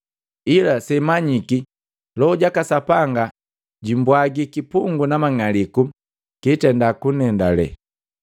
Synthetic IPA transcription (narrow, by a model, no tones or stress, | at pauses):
ilasɛmaɲiki | lɔɟakasapaŋɡa | ɟimbwaɡikipuŋɡunamaŋaliku | kitɛndakunɛndalɛ̰